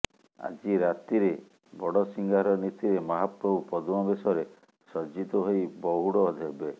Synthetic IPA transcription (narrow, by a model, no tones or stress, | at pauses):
a̰d͡ʒiɾat̪iɾe | bɔɽɔsiŋɡaɾɔnit̪iɾemaɦapɾɔbupɔd̪umabesɔɾe | sɔd͡ʒit̪ɔɦojbɔɦuɽɔːd̪ʱeɦbe